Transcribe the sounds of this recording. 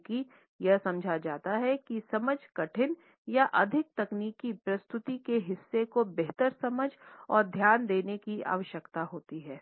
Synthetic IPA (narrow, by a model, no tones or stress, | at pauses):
ki | jɐɦsɐ̃md͡ʒʱad͡ʒaːt̪aɦɛkisɐməd͡ʒʱkɐʈʰɪn | jaʔɐd̪ʱɪk̚t̪ɐkniːkipɾɐst̪ʊt̪ikeɦɪsːekobɛɦt̪əɾsɐməd͡ʒʱɔːɾd̪ʱjaːnd̪eːnekia̰ːʋəʃjəkt̪aɦoːt̪iɦɛː